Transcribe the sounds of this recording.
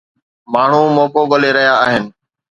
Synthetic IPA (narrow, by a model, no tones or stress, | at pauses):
maːɳ̤ũːmoːkoːɠəleːɾəɦjaːaːɦɪnɪ̆